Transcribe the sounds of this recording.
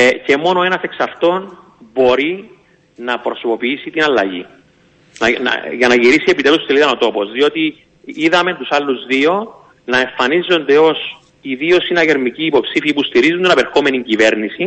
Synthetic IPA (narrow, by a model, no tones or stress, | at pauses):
ce̞mo̞no̞e̞nɐseksɐft̪o̞n | bo̞ɾi | nɐpɾo̞sopo̞piisit̪inɐlːɐʝḭ | nɐnɐ̰ʝɐnɐʝiɾisiepit̪elust̪eliðɐnot̪o̞po̞zðio̞t̪i | iðɐme̞nt̪usɐlːuzðio̞ | nɐe̞ɱfɐnizo̞nd̪e̞o̞s | iðio̞sinɐʝeɾmiciːpo̞psifiipust̪iɾizund̪enɐpe̞ɾxome̞niɲcive̞ɾnisi